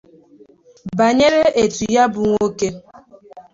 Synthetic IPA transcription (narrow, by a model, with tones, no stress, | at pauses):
ba˨ɲe˦ɾe˦ʔe˨tu˨ja˦bʊ˨ŋʷo˦ke˦